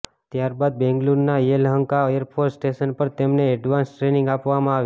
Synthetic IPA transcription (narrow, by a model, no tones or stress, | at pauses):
t̪jaɾbad̪̚bɛ̃ŋɡluɾnaelɦəŋkaəjəɾpʰoɾsːʈeʃənpəɾt̪emneːɖʋãnsʈɾenɪ̃ŋɡapʋamãaʋj